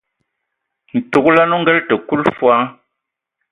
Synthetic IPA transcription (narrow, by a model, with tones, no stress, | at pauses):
n̩˨tu˨k̚la˦nu˦ŋ˦ɡɛ˦ltə˨ku˦lfwa˦